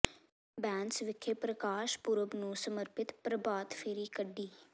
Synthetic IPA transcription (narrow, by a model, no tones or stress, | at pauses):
bɛ̃ːnsʋɪkʰːeːpɾəkaːʃpʊɾəbnũːsəməɾpɪt̪pɾəbaːt̪fʰeːɾiːkəɖːiː